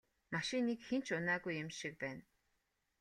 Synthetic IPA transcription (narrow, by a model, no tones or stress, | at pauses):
maʃinːikxent͡ɕʰʊnæːɣujɪmʃik̚pæːn